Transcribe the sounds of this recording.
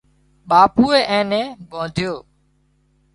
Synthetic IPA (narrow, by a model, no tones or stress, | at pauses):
ɓaːpuːeːʔɛ̃ːnẽːɓõːd̪ʱjoː